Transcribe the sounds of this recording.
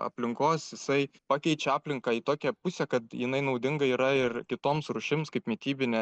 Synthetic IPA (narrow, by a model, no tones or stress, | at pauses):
ɐ̰pʲlʲɪŋkoːsjɪsɐɪpɑːkʲɛɪt͡ʃʲɛɑːpʲlʲɪŋkɑːit̪oːkʲɛpʊsʲɛkɐt̪jɪnɐɪnɐʊd̪ʲɪŋɡɐiːɾɐɪrkʲɪt̪oːmsɾʊʃʲɪmskɐɪpmʲiɛt̪ʲiːbʲɪnʲɛ